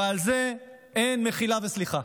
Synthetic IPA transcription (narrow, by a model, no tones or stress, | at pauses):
alze | enmeχilavesliχa